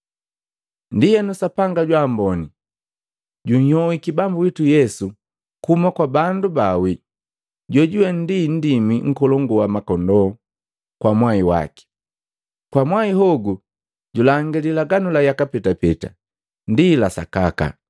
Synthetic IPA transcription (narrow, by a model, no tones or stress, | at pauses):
ndijɛnusapaŋɡaɟwaːmbɔni | ɟuɲ̩hɔwikibambuwitujɛsu | kumakwabandubawi | ɟwɔɟuwɛn̩din̩dimiŋ̩kɔlɔŋɡuwamakɔndɔ | kwamwaiwa̰ki̥ | kwamwaiɦɔɡu | ɟulaŋɡililaɡanulajakapɛtapɛta̰ | ndilasa̰kaka̰